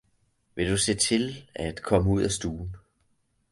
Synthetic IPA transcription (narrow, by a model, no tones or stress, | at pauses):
ʋe̝d̥use̝ːt͡sʰe̝læd̥kʰɒ̽məuð̞̰ˠæsd̥uːn̩